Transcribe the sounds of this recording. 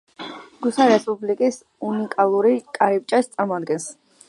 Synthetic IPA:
ɡ̥usaɾɛspʼublikʼis | unikʼalˠuɾikʼaɾip̚t͡ʃʼast̪sʼaɾmɔad̪̚ɡɛns

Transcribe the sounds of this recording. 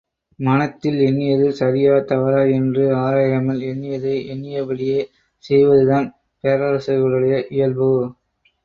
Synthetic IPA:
mɐnɐt̪ːɪlɛɳːɪjɐðɯsɐɾɪjaːɐt̪ɐʋɐɾaːɛndrɯaːɾaːjɪɾɐmɐlɛɳːɪjɐðɐɪʔɛɳːɪjɐbɐɭɪjeː | sɛjʋɐðɯðaːn | peːɾɐɾɐsɐɣɐɭɯɽɐjɐʔɪjɐlbɯ

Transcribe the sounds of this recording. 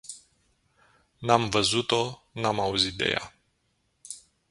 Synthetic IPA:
namvəzut̪o̞namauzit̪̚d̪e̞̰ja̰

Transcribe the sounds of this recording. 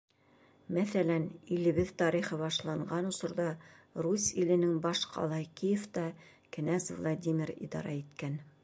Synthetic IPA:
mæθælænilɘ̆βɘðt̪ɑɾiχɤβɑʃlˠɑɴɢɑnŏsŏɾðɑrusilɘ̆nɘŋbɑʃqʰɑ̰lˠɑjkijeft̪ɑ | kɘ̆næsvlˠad̪ʲimʲiɾḭd̪ɑ̰ɾɑit̪kæn

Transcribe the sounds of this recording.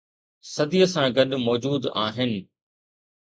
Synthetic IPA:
sɐd̪ijəsãɡɐɗmɔːd͡ʑuːd̪aːɦɪnɪ̆

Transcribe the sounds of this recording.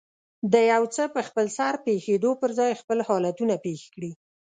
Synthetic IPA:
d̪əjawt͡səpəxpəlsaɾpexed̪opəɾzɑjxpəlhɑlat̪unapexe̥kɽi

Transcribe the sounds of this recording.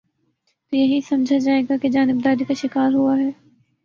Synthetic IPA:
t̪ojɐɦisɐmd͡ʒʱad͡ʒaːeːɡaked͡ʒaːnɪb̚d̪aːɾikaʃɪkaːɾɦuaɦɛː

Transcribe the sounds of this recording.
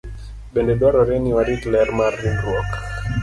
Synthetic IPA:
ɓɛndɛɗɔɾɔɾɛniwaɾitlɛɾmarinɾwɔk

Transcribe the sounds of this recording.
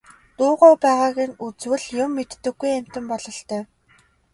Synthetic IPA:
t̪ʊːʁɔːpæːʁaːɣĭŋut͡swɘ̆ɮjʊmːet̪ːɘ̆ɡujæm̥ʲt̪ɘ̆mpɔɮɞ̆ɬt̪œː

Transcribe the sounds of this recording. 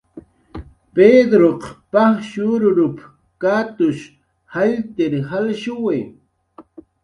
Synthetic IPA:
peːd̪ɾoqpaχʃuɾʊɾʊp | kaːt̪ʊʃ | haʎt̪eɾhalʃʊwe

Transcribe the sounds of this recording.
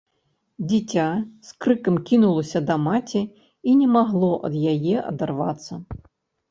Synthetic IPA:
d͡zʲit͡sʲaskɾɨkɐmkʲinulˠɐsʲɐd̪ɐmat͡sʲɛ | inʲɛmaɣlˠɔʔɐ̰d̪jajɛʔɐ̰d̪arva̰t̪sːɐ

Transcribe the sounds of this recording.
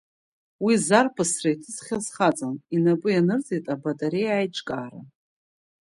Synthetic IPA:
wizarpʰasraitʰɨzχʲazχat͡sʼaninapʼɨjanɨrt͡sʼejtʼabatʼaɾejajʈ͡ʂʼkʼaːra̰

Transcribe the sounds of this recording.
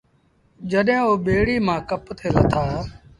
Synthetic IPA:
d͡ʒəɗɦẽːoːɓeːɽiːmãːkəpt̪ʰeːlət̪ʰaː

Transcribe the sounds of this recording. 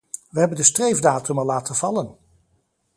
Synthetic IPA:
ʋəɦɛbəndəstrejvdaːtɵmɑlːaːtənv̥ɑlən

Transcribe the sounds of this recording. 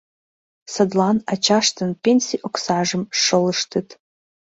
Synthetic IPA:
sɐdlanat͡ʃʰaʂtʰɨnpʲenʲsiʔoksaʐɨmʂɨlɨʂtʰɨtʰʼ

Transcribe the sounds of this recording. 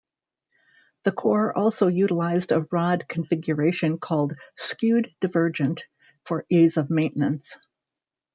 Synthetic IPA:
ðɨkʰɔɹɔlˠsoʊjʉɾəlaɪzdəɹɑd̚kʰɱfɪɡjə˞eɪʃɨ̃nkʰɔlˠd̥skjʉdɨvɜ˞d͡ʒɨ̃nt | fə˞izʌvmẽɪ̃nnɨ̃ns

